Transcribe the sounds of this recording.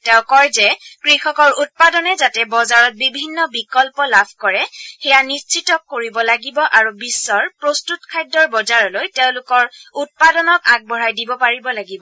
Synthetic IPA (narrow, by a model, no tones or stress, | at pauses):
tɛ̃ʊ̃kɔɹzɛkɹixɔkɔɹut̚padɔnɛzatɛbɔzaɹɔt̚bibʱinːɔbikɔlpɔlabʱkɔɹɛxɛjanist͡ʃitɔkːoɹibɔlaɡibɔʔaɹubisːɔɹpɹostutkʰajdɔɹbɔzaɹɔlojteʊ̃lʊkɔɹut̚padɔnɔkak̚bɔɹajdibɔpaɹibɔlaɡibɔ